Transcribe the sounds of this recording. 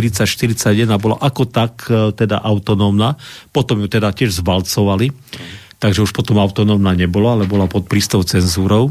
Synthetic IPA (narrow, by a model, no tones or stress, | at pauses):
ɾit͡sːacʃt̪iɾit͡saɟjɛd̪nabɔla̰ʔakɔt̪akt̪ɛd̪a̰ʔaʊt̪ɔnɔːmnapɔt̪ɔmjut̪ɛd̪acɪɛʒzbalt͡sɔʋali | t̪aɡʒɛuʃpɔt̪ɔmaʊt̪ɔnɔmnaɲɛbɔlaalɛbɔlapɔt̪̚pɾiːst̪ɔʊt͡sɛnzuːɾɔʊ